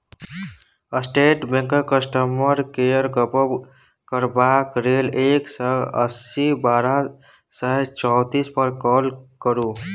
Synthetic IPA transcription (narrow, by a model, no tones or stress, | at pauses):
əsʈeʈbẽŋkəkəsʈəməɾkejəɾɡəpəb | kəɾbakɾeleksəə̰sibaɾa | səɦt͡ʃɔwt̪ispəɾkɔlkəɾu